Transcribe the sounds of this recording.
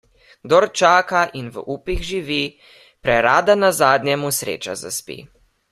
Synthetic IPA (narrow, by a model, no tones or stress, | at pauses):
d̪ɔɾt͡ʃaːkaʔinʋəʔuːpiɣʒiʋi | pɾɛɾaːd̪anazaːd̪nʲjɛmusɾḛːt͡ʃa̰za̰spḭ